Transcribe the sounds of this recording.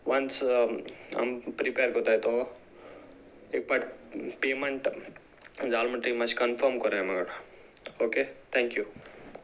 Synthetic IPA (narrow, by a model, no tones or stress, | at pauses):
ʋɐns | a̰mpɾipeːɾkɔt̪aet̪o | ek̚paʈpeːmeɳʈ | d͡ʒaːlmɐʈɾimɐt͡ʃkɐnpʰəɾmkɔɾaemɐɡɐʈa | oket̪ʰɛ̃ŋkju